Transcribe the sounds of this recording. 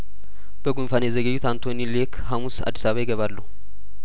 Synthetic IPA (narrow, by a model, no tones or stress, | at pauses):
b̥əɡunfanjɛzəɡəd͡ʒːut̪ant̪ʰonilekʰɦamusa̰d̪ːi̥saβajɪɡəβalːəhu